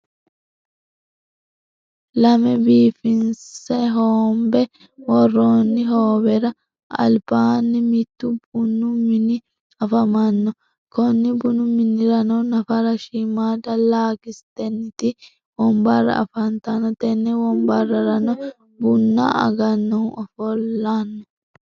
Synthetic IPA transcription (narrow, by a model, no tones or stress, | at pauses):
lɐmɛbiːfɪnsɛɦoːmbɛ | wɔrːoːnːɪɦoːbɛɾɐ | ɐ̰lbaːnːɪmɪt̪ːʊbʊnʊmːɪnɪ | ɐfɐmɐnːɔ | kɔnːɪbʊnʊmːɪnːɪɾɐnɔnɐfɐɾɐʃimaːd̪ɐlaːɡɪst̪ɛnːɪt̪ɪ | wɔmbɐrːɐ̰ɐ̰fɐnt̪ɐnːɔt̪ɛnːɛwɔmbɐrːɐɾɐnɔ | bʊnːɐ̰ɐ̰ɡɐnːɔɔfɔlːanːɔ